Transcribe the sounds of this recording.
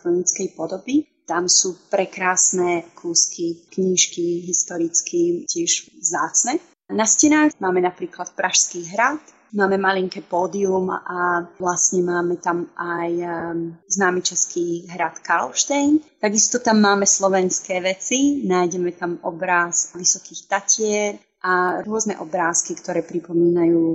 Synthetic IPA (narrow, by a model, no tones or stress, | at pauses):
kɾɔnit͡skɛjpɔd̪ɔbi | t̪amsuːpɾɛkɾaːsnɛkʰuːskʰikɲiːʃkiɦist̪ɔɾit͡skicɪɛʒvzaːt͡snɛ | nascɛnaːxmaːmɛnapɾiːklat̪pɾʔaʃskiːɦɾat̪ | maːmɛmaliŋkɛpɔːd̪iumaʋlasɲɛmaːmɛt̪amʔaj | znaːmɛt͡ʃɛskiːɦɾat̪kalʃt̪ɛjnt̪aɡist̪ɔt̪amːaːmɛslɔʋɛnskɛːʋɛt͡sinaːjɟɛmɛt̪amɔbɾaːsʋisɔkiːxt̪acɪɛɾ | ʔaɾʊɔznɛ̰ʔɔbɾaːskikt̪ɔɾɛːpɾipɔmiːnajuː